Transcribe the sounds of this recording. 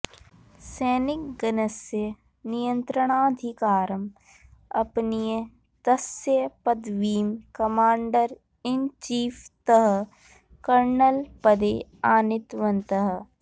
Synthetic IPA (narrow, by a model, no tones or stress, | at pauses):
sɛːnɪkɡɐnəsjə | nijə̃nt̪ɾəɽ̃aːd̪ʱɪkaːɾəm | ɐpnije | t̪ɐsjəpɐd̪ʋiːmkɐmaːɳɖəɾ | ɪnt͡ʃiːpʰt̪əɦə | kɐɾnəlpɐd̪eːaːnɪt̪ʋənt̪əɦ